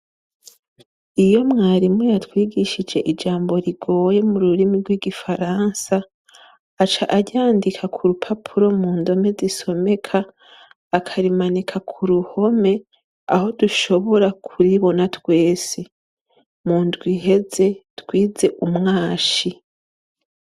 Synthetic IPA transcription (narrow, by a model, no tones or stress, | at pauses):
ijo̞mŋaːɾimŋejatwiːɡiʃid͡ʒe̞ʔid͡ʒaːmbo̞ɾiɡo̞ːje̞muɾuɾimiɾɡwiːɡifaɾaːnsaː | t͡ʃaʔaɟaːndikʰakʰuɾupʰapʰuɾo̞muːndo̞me̞ziso̞me̞kʰaː | kʰaɾimanikʰakʰuɾuho̞me̞ | a̰ho̞duʃo̞βo̞ɾakʰuɾiβo̞natwe̞ːsi | muːndɡwiɦe̞ze̞twiːze̞ʔumŋaːʃi